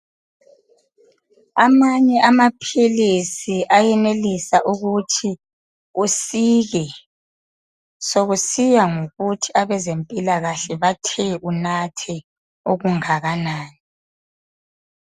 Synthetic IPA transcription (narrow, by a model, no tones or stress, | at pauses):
a̰maɲɛʔamapʰilisiʔajɛnelisaʔuɣutʰi | usiːɣɛ | soɣusijaŋoɣutʰiaβɛzempʼilaɣaɬɛβatʰɛunatʰɛ | oɣuŋaɣanaːni